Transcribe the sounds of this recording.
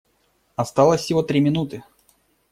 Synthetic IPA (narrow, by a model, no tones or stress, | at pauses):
ɐst̪alˠəsʲːɪvot̪ɾʲimʲɪnut̪ɨ